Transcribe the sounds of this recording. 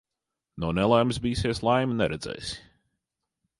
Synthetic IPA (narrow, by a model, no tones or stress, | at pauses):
nɔːnɛlˠajmsbiːseɛslˠajmnɛɾɛd̪z̥ɛ̰js